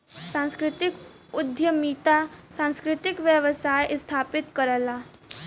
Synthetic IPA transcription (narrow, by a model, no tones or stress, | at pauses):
sãːnskɾɪt̪ɪk | ʊd̪ʱjəmiːt̪asãːnskɾɪt̪ɪkʋjəʋəsaːjʔɪst̪ʰaːpɪt̪kəɾəlaː